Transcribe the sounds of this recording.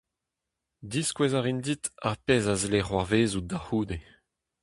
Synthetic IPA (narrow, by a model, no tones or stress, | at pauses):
d̪iskwɛzaʁind̪it̪a̰ʁpeːzazeleχwaʁveːzud̪ahuːd̪e